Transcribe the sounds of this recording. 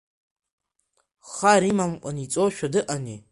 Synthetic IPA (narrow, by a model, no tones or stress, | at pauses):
χaɾimamqʷʼanit͡sʼoʃᶣadɨʔani